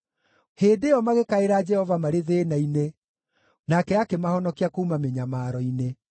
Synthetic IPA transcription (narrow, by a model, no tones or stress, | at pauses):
heːdeɔmaɣekaeɾad͡ʒɛhɔvamaɾeðenaine | nakɛakemahɔnɔkiakoumameɲamaɾɔine